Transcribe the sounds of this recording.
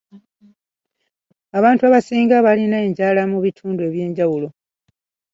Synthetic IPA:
aβaːntuaβasiːŋɡaβalinae̞ːɲɟaːlamuβitʰuːndue̞βje̞ːɲɟawulo̞

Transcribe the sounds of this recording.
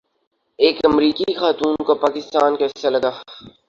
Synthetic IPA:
eːkɐmɾiːkixaːt̪uːnkopaːkɪst̪aːnkeselɐɡaː

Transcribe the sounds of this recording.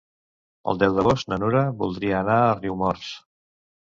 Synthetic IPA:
ə̰lˠd̪ɛwd̪əɣosnənuɾəβulˠd̪ɾiəːnaəriwmɔɾs

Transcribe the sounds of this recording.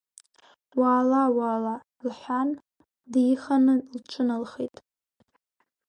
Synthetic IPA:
waːlawaːla | lħʷan | djiχanɨlt͡ʃʷʰɨnalχḛtʼ

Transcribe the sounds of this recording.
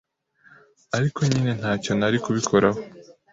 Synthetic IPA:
aɾikʰo̞ɲine̞n̥haːco̞naɾikuβikʰo̞ɾaho

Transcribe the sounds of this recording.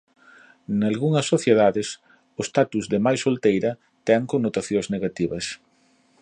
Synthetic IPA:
nalɣuŋɐsːoθjeðaðɪs | ʊst̪at̪uzðɪmajsolt̪ejɾɐ | t̪ɛŋkonːot̪aθjõŋzneɣat̪iβɐs

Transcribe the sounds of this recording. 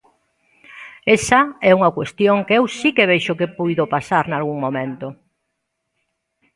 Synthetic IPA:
esɐɛuŋɐkwest̪joŋkeewsikeβ̞eʃʊkepujðopasaɾnalɣuŋmõmẽnt̪ʊ

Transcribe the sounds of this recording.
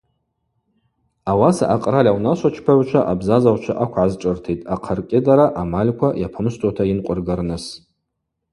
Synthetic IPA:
awasa̰ʔaqʼralʲawnaʃʷat͡ʃʰpʰaʕʷt͡ʃʷʰaʔabzazawʷt͡ʃʷʰaʔakʷʰʕazʈ͡ʂʼɨrtʰitʼaqʰarkʲʼɪdaɾaʔamalʲkʷʰajapʰɨmstʰʼatʰainqʷʼʊrɡarnɨs

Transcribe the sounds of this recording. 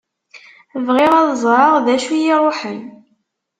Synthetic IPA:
vʁɪʁɑðzˤɾˤɑʁðæʃujiɾˤoħən

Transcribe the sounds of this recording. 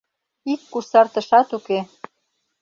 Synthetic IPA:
ikːusɑrt̪ə̆ʃɑt̪uke

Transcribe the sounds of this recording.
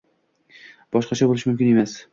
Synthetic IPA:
b̥ɒʃqɑt͡ʃʰabolɪʃɪmʊmkʲɪne̞mas

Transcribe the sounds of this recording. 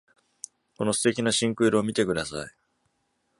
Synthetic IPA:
ko̞no̞sɨ̥t̪e̞kʲinaɕĩŋkɯ̟iɾɯomʲit̪e̞kɯ̟d̪asa̰i

